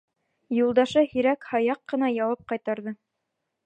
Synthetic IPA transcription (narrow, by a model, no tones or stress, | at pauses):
julˠd̪ɑʃɤhiɾækhɑjɑqːɤ̆nɑjɑwɑp̚qɑjt̪ɑɾðɤ